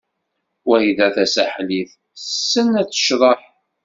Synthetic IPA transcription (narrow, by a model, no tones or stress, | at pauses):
wæhiðæθæsæħliθ | sːənæt͡sːə̥ʃðˤəħ